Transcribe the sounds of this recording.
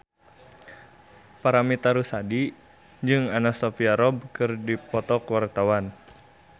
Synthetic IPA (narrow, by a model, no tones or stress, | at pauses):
paɾamit̪aɾusadi | d͡ʒɨŋanasɔpiaɾɔb̚kɨrdipɔt̪ɔkwart̪awan